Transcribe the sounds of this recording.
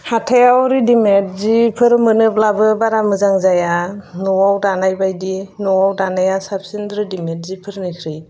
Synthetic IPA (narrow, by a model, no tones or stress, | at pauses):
hatʰajawɾidimet̚zipʰɯɾmɯnɯp̚labɯbaɾamɯzaŋzajanɔwawdanajbajdinɔwawdanajasap̚sindɾɯdimet̚zipʰɯɾnikʰɾɯj